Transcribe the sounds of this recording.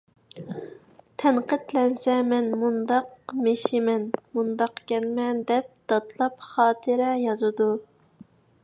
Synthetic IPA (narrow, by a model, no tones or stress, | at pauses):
t̪ʰɛnqət̪lɛnsɛmɛnmund̪ɑqmeʃɪmɛnmund̪ɑqkʲɛnmɛnd̪ɛp̚d̪̥ɑt̪ʰlˠɑpχɑːt̪ʰɨɾɛjɑzɨd̪u